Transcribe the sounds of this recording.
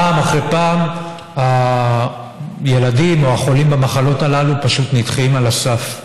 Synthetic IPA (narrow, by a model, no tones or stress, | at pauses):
aːmaχʁepaːm | ha | je̞ladimoaχo̞limbamaχalo̞talalupaʃut̪nitχimalasaf